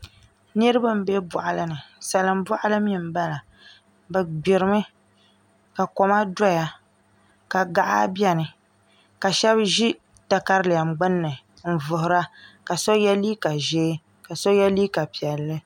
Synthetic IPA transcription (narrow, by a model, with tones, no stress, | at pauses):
nɨ˦ɾɨ˦ba˦m̩˦be˦bɔ˨ʔa˨lɨ˦nɨ˨sa˨lɨ˨m˦bɔ˦ʔa˦lɨ˦mi˦m̩˨˦ba˦la˨ | bɨ˨ɡ͡bɪ˨ɾɨ˨mɨ˦ | ka˨kɔ˨ma˦dɔ˦ja˨ | ka˨ɡa˨ʔa̰˦bjɛ˦nɨ˨ | ka˨ʃɛ˦bʒi˦ | ta˨ka˦ɾlɪ˨a˨mɡ͡bɨ˦nːɨ˨ | n̩˨vʊ˨hʊ˨ɾa˦ka˨so˦jɛ˦liː˦ka˨ʒeː˦ | ka˨so˦jɛ˦liː˦ka˨pi˨ɛ˨lːɨ˦